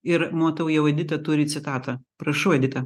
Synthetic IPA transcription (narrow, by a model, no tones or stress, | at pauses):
ɪɾmoːt̪ɐʊjɛʊɐd̪ʲɪt̪ɐt̪ʊɾʲɪt͡s̪sʲɪt̪ɑːt̪ɐpɾɐʃɐʊɐd̪ʲɪt̪ɐ